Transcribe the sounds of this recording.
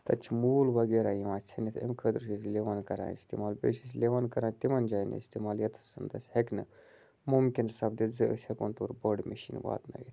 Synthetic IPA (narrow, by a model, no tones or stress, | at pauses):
t̪ɐt͡ʃʰmuːlʋɐɡeɾajiʋãːt͡sʰɐnit̪ʰḛmkʰəd̪ɾʃisleʋankɐɾã̰ːnḭst̪imaːlbḛʃis̬lʲeʋankɐɾãːt̪imɐnd͡ʒaːjn̰ḭst̪imaːljɐt̪ʰɐ̥sɨnt̪ɐsʲheknɨ | mumkʲinsɐb̚d̪id͡zɨʔə̰shekont̪uɾbəɽmeʃḭnʋa̰ːt̪na̰jit̪ʰ